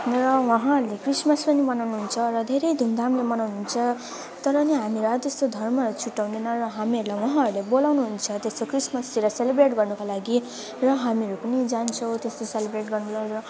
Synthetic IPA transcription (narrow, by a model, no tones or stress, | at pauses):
rʌwʌɦãʌɾlekrismʌspʌnimʌnawnuɦunt͡sʰʌrʌd̪ʱeɾʌjd̪ʱumd̪ʱamlemʌnawnuɦunt͡sʰʌ | t̪ʌɾʌniɦamiɾʌt̪est̪od̪ʱʌrmʌt͡sʰuʈːaw̃nd̪inʌɾʌɦamiʌɾulajwʌɦãʌɾulebolawnuɦunt͡sʰʌt̪est̪okrismʌsiɾʌselebɾeʈɡʌrnukalaɡi | rʌɦamiʌɾupʌnid͡zant͡sʰʌw̃t̪est̪oselebɾeʈɡʌrnulaɾʌ